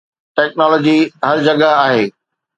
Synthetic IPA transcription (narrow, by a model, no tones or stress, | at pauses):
ʈɛːknɔːlɔːd͡ʑiɦɐɾd͡ʑɐɡaaːɦeː